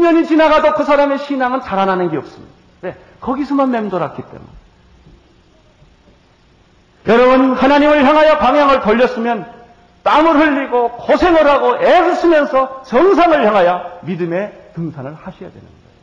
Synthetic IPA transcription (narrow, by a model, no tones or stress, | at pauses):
mjʌɲit͡ɕinaɡadokɯsʰaɾame̞ɕʰinaŋɯnt͡ɕaɾananɯnɡeʌp̚s͈ɯ̥mɲḭd̥aawe̞ | kʌɡisʰʌmanme̞mdoɾak͈ʰit͈e̞̰mṵne | jʌɾʌbunhanaɲimɯɭçjaŋɦajapaŋjaŋɯɭtʌʎːʌs͈ɯmjʌn | t͈amɯɾɦɯʎːiɡokosʰe̞ŋɯɾɦaɡoʔesʰɯs͈ʰɯmjʌnsʰʌt͡ɕʌŋsʰaŋɯɭhjaŋɦajamidɯme̞tɯŋsʰanɯɭhaɕʰija̰dwe̞̰nɯ̰nɡʌo